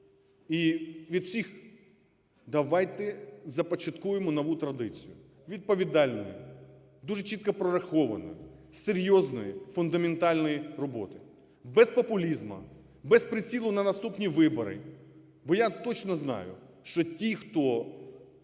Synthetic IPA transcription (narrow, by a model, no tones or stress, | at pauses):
iʋʲid̪wsʲix | d̪ɐʋɑjt̪ɛzɐpɔt͡ʃɐt̪kujemɔnɔʋut̪ɾɐd̪ɪt͡sʲijʊ | ʋʲid̪̚pɔʋʲid̪ɑlʲnɔ̰jḭ | d̪uʒet͡ʃit̪̚kɐpɾɔɾɐxɔʋɐnɔ̰jʊseɾʲjɔznɔjifʊnd̪ɐment̪ɑlʲnɔjirɔbɔ̰t̪ɪ | bɛspɔpʊlʲizmɐ̰ | bɛspɾɪt͡sʲilˠʊnɐnɐst̪upnʲiʋɪbɔ̰ɾɪ̰ | bɔjat̪ɔt͡ʃnɔznɑ̰jʊ̰ | ʃt͡ʃɔtʲixt̪ɔ